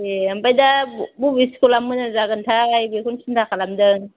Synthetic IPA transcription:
eambajdabubiskulamːɯnazaɡɯntʰaːjbikʰunsʰindʰakʰalamdɯŋ

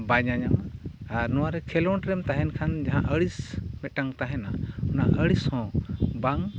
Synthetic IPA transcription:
baɲaɲamaɾnɔwaɾɛkʰɛlɔɳʈɾɛmt̪aɦɛnkʰand͡ʒaɦã̰ʔəɽismɛʈaŋt̪aɦɛnaɔnaʔəɽishɔ̃baŋ

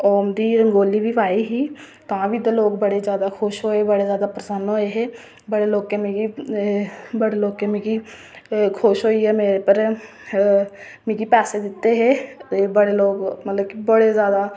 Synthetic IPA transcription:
ɔːmd̪iɾə̃ŋɡoːlibʱiʋaːiɦiː | t̪ɐɦãbʱid̪əloːɡbəɽezjaːd̪akʰoʃɦoːebəɽezjaːd̪apɾəsənɦoːeɦɛ | bəɽeloːɡkemeːɡi | bəɽeloːɡ̚kemẽːɡi | kʰoʃɦoːiɦɛmeːɾepəɾ | mẽːɡipɛːsed̪ɪt̪ːeɦɛːebəɽeloːɡmət̪ləb̚kibəɽezjaːd̪a

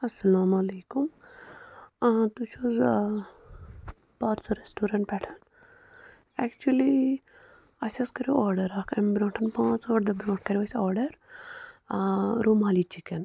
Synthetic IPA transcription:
ɐsːɐlaːmɐleːkum | t̪ut͡ʃʰoz | paːɾsɐɾesʈuːɾɐ̃ɳʈpɛʈʰɐn | ɛkt͡ʃuɐli | ɐsʲɐskɐɾuaːɾɖɐɾaːkʰɐmbɾõːɳʈʰɐnpãːt͡soːʈd̪ɐbɾõːʈʰkɐɾʲiʋɐsɔːɾɖɐɾ | ɾuːmaːlit͡ʃiken

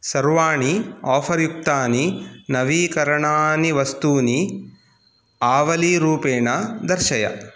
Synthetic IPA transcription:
sɐɾʋaːɳiaːpʰɐɾjuk̚t̪aːninɐʋiːkɐɾɐɳaːniʋɐst̪uːni | aːʋɐliɾuːpeːɳɐd̪ɐɾʃɐjɐ̰

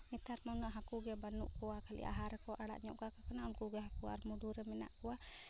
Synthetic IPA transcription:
mit̪aɾmanaɦakuɡɛbanːuʔkuwakʰalḭʔa̰ɦaɾɛkɔʔaɽa̰ʔɲɔʔɡakakanaunkuɡɛɦakua̰ɾmuɖuɾɛmɛna̰ʔkuwa

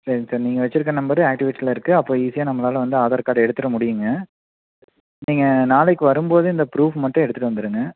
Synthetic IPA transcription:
sɐɾɪŋɐsaːɾniːŋɡɐʋɛt͡ʃːɪɾɯk̬ːɐnːɐmbɐiaːk̚ʈɪʋɪʈːsɪlɐɪɾɯkːɯɐpːoːiːsɪjaːnɐmːɐlaːlɐʋɐnd̪ɯɐðɐɾkaːɽɐɛɽɯt̪ːɯɾɐmʊɽɪjɯŋɡɐ | niːŋɡɐnaːlɐɪkːɯʋɐɾɯmboːðɯɪnd̪ɐpɾuːfmɐʈːʊ̃ɛɽɯt̪ːɯʈːɯʋɐnd̪ɯɾɯŋɡɐ

